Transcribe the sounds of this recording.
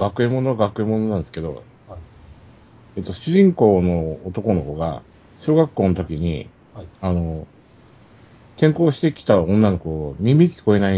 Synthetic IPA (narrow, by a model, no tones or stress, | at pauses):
ɡakɯ̟e̞mo̞noɡakɯ̟emo̞no̞nãnd̪sɨ̥ke̞d̪o̞̰ | et̪ːo̞ɕɨʑĩŋko̞ːno̞ːt̪o̞ko̞no̞koɡa̰ | ɕo̞ːɡakːo̞ːnot̪̬o̞kʲiɲ̟ḭ | ano̞ | k̪ẽ̞ŋko̞ːɕi̥t̪e̞kʲi̥t̪aõ̞nːano̞ko̟oɲ̟imʲikʲi̥ko̞e̞nai